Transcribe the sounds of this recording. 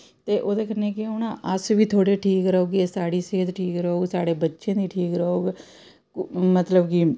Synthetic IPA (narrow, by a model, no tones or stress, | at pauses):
t̪eːʔoːd̪eːkʰəneːkeonãːʔəsbʱiːt̪ʰoːɽeʈʰiːkɾəɦoːɡesaːɽiːsɪɦt̪ʈʰiːkɾəɦoːɡsaːɽeːbətːʃẽːd̪iːʈʰiːkɾəɦoːɡ | mət̪ləbki